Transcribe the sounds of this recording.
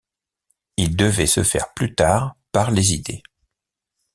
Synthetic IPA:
ild̪əvɛsəfɛ̰ʁplyt̪aːʁpaʁlezid̪e

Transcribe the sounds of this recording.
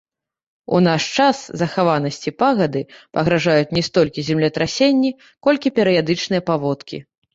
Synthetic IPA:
ṵnaʂt͡ʂaszɐxavanɐsʲt͡sʲipaɣɐd̪ɨpɐɣɾaʐajut͡sʲnʲɛst̪ɔlʲkʲizʲɛmlʲɛt̪ɾasʲenʲːi | kɔlʲkʲipʲɛɾɨjad̪ɨt͡ʂnɨjɐpavɔt̪kʲḭ

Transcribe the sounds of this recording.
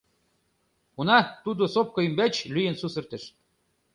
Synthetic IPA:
unɑt̪ud̪osop̚kŏymbæt͡ɕlyjə̆nsusə̆rt̪ə̆ʃ

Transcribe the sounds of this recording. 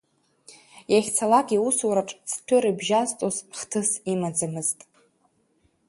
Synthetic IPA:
jaχʲt͡sʰalakʼiusuɾaʈ͡ʂʼt͡sʰtʷʰʊɾibʒaztʼozχtʰɨsimad͡zamɨztʼ

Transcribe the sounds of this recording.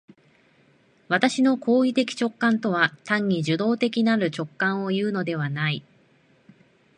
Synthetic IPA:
βat̪aɕino̞kʰo̞ːit̪e̞kʲi̥t͡ɕo̞kːãnt̪o̞β̞at̪ãɲ̟ːiʑɨd̪o̞ːt̪e̞kʲinaɾɯ̟t͡ɕo̞kːãɰ̃o̞jɯ̟ːno̞d̪e̞βanai

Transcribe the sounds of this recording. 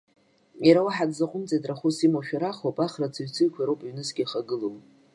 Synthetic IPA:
jaɾawaħadzaqʷʼʊmt͡sʼetʼraχusimoʃᶣaɾaχowpʼaχrat͡sʰɨɥt͡sʰɨɥkʷʰaɾowpʼɥnɨsɡʲiχaɡɨlow

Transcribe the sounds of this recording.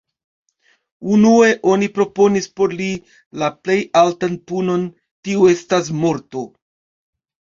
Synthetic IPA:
unue̞ʔo̞nipɾo̞po̞nispo̞ɾli | laple̞jaltanpuno̞n | tiue̞stas̬mo̞ɾto̞

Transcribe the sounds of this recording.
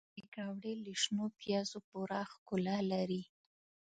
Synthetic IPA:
ekɾɑwɽeliʃnopjɑzopuɾaxkʊlalaɾi

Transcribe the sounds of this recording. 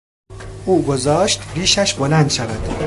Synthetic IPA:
uːɡozɒːʃt̪ɾiːʃæʃbolænd̪ʃævæd̪̥

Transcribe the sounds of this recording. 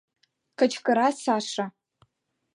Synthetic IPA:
kʰɐt͡ʃʰkʼɨɾasaːʂa

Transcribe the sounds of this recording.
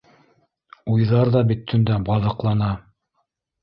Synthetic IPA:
ujðɑɾðɑbit̪ʰːɵ̆nd̪æbɑðɤ̆qlˠɑnɑ

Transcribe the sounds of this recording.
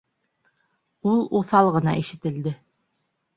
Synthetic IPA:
ulˠuθɑlˠʁɤ̆nɑiʃɘ̆t̪ɘ̆ld̪ɘ

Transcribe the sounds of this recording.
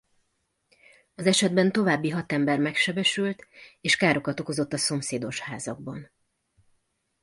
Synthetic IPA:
ɒzɛʃɛd̪̚bɛnt̪o̞vaːbːiɦɒt̪ɛmbɛrmɛkʃɛbɛʃylt̪eːʃkaːɾo̞kɒt̪o̞ko̞zo̞t̪ːɒso̞mseːd̪o̞ʃhaːzɒɡ̚bɒn

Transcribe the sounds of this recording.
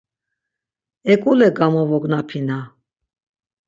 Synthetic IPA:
ɛkʼulɛɡamɔvɔɡnapʰina

